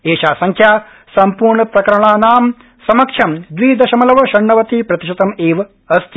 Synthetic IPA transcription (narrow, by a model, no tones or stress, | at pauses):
eːʃaːsɐŋkʰjaː | sɐmpuːɾɳɐpɾɐkɐɾɐɳaːnaːm | sɐmɐkʂʰɐmd̪ʋiːd̪ɐʃɐmɐlɐʋɐʃɐɳːɐʋɐt̪iːpɾɐt̪iʃɐt̪ɐmeːʋɐ | ɐst̪ʰi